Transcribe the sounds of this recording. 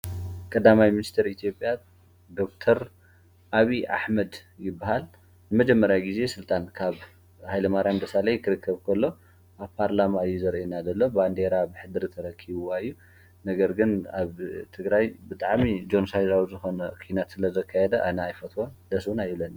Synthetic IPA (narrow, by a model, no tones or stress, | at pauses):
kʼɐd̪amajminist̪ʰɐɾit̪ʰjo̞pʼja | d̪o̞k̚t̪ʰɐɾ | ʔaβiʔa̰ħmɐd̪jɪbːaɦal | nɨmɐd͡ʒɛmːɐɾjawɡize̞sɨlt̪ʼankʰaβ | hajlɐmaɾjand̪ɐsalɐjkʰɨɾɨkʰːɐβkʰɐlːo̞ | ʔaβpʰaɾlamaɨjːuzɐɾʔenad̪ɐlːoband̪eɾabɨħɨd̪ɨɾɨt̪ʰɐɾɐkʰːiβwaɨjːu | nɐɡɐɾɡɨnaβt̪ʰɨɡɾajbɨt̪ʼaʕmid͡ʒo̞nsajzawizɨxo̞nɐkʰinat̪sɨlɐzɐkʰːajɛd̪ɐʔanɐajfɐt̪ʰwond̪ɐswunajβlɐna